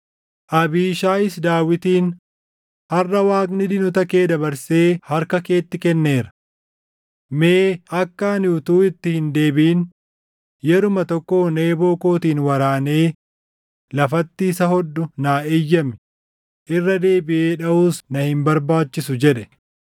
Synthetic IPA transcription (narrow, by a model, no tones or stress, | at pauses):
ʔɐbiːʃaːɪsd̪aːwɪt̪iːn | hɐrːɐwaːknɪd̪ɪnʊt̪ɐke̞ːd̪ɐbɐɾse̞ːhɐɾkɐke̞ːt̪ːɪkɛnːe̞ːɾɐ̥ | meːɐkːaːnjuːt̪uːɪt̪ːɪhɪnd̪e̞ːbɪiːn | jɛɾʊmɐt̪ɔkːo̞ːne̞ːbo̞ːko̞ːt̪iːnwɐɾaːne̞ː | lɐfɐt̪ːiːsɐhɔd̪ːʊnaːeːjːɐmɪ̥ | ʔɪrːɐd̪e̞ːbɪʔe̞ːᶑɐʔuːsnɐhɪmbɐɾbaːt͡ʃːɪsʊd͡ʒɛᶑɛ̥